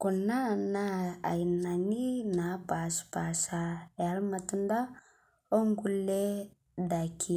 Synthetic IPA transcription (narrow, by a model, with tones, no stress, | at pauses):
ku˨na˦˨na˦a̰˨jna˨ni˦na˨˦pa˨spa˨sa˨ja˨˦lma˨tu˦nda˦ | o˦ŋɡu˦lːe˦ | da˨kʰi˦